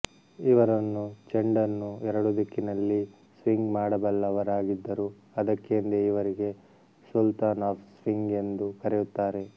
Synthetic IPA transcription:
iʋɐɾɐnːut͡ʃeɳɖɐnːuɛɾɐɽud̪ɐkːinɐlːi | sʋiŋɡmaːɽɐbɐlːɐʋɐɾaːɡid̪ːɐɾu | ɐd̪ɐkːend̪eiʋɐɾiɡe̞ | sult̪aːnaːfsʋiŋɡe̞nd̪ukɐɾejut̪ːaːɾe̞

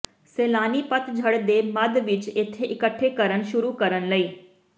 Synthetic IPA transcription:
seːlaːnipət̪d͡ʒʱəɽd̪emɐd̪ʋɪt͡ʃet̪ʰːeʔɪkəʈʰːekəɾəñʃʊɾukəɾənləiː

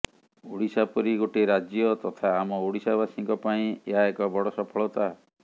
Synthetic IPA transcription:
uɽisapɔɾiɡoʈeɾad͡ʒjɔt̪ɔt̪ʰaːmɔuɽisabasiŋkɔpaĩeɦaekɔbɔɽɔsɔpʰɔɭɔt̪a

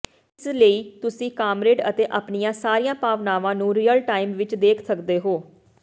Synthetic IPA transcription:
ɪsləiːt̪ʊsĩːkaːmɾeːɖət̪eːʔapnɪjãːsaːɾiːãːpaːʋnaːʋãːnũːɾiːəlʈaːimʋɪt͡ʃd̪eːkʰsəkd̪eːɦoː

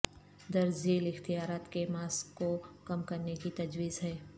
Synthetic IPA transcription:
d̪ɐɾzeːlɪxt̪ijaːɾaːt̪kemaːskːokɐmkɐɾnekit̪ɐd͡ʒwiːzɦɛː

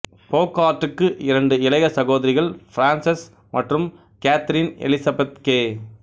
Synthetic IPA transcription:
poːkaːʈːɯkːɯʔɪɾɐɳɖɯɪlɐɣɐsɐɣoːðɐɾɪɣɐɭfɾaːnsɐs | mʔɐʈrɯm | kaːt̪ɾinɛ̰lɪsɐbɐt̪̚keː

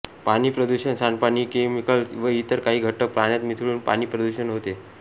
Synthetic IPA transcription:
pañiːpɾəd̪uɕənsanpañiːkemikəlsʋəit̪əɾkaɦiːɡʱəʈːək̚pɾaɳ̃jat̪mit̪ʰɽuːnpa̰ɽiːpɾəd̪uɕənɦot̪e

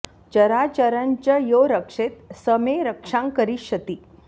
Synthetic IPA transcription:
t͡ɕəɾat͡ɕəɾənt͡ɕəjoɾəkʂet̪səmeɾəkʂãŋkəɾiɕət̪iː

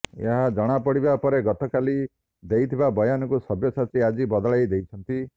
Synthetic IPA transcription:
ḛɦad͡ʒɔɽ̃apɔɽ̤ibapɔɾeɡɔt̪ɔkali | d̪ejt̪ʰibabɔjanɔkusɔbjɔsat͡ʃʰiad͡ʒibɔd̪ɔɭajd̪ejt͡ʃʰɔnt̪i

